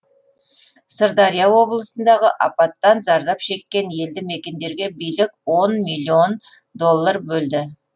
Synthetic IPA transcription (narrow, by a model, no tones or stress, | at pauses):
səɾd̪ɑɾijɑwo̞blˠəsənd̪ɑʁəʔɑpɑt̪ːɑnzɑɾd̪ɑpʃe̞kʲːe̞nje̞ld̪ɪme̞kʲe̞nd̪e̞ɾɡʲe̞bijlɪkʲwo̞nmilʲːio̞n | d̪o̞lˠːarbɵld̪ɪ